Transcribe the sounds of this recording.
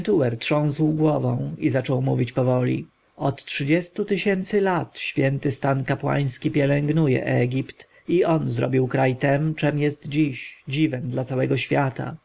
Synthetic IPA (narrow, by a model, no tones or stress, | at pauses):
t̪uwɛɾtʂɔ̃w̃swɡwɔvɔ̃w̃izat͡ʂɔwmuvʲit͡ɕpɔvɔlʲḭ | ɔt̪tʂɘd͡ʑɛst̪ut̪ɘɕɛnt̪sɘlat̪ɕfʲjɛnt̪ɘst̪ankapwa̰j̃skʲipʲjɛlɛŋɡnujɛ̰ʔɛɡʲipt̪ | iɔnzɾɔ̰bʲiwkɾajt̪ɛmt͡ʂɛmjɛst̪d͡ʑiɕd͡ʑivɛmd̪lat̪sawɛɡɔɕfʲjat̪a̰